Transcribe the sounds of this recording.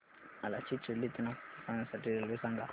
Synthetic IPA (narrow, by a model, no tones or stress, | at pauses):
alat͡ʃʰit͡ʃilit̪inafanɛsatiɾɛlwisaŋɡa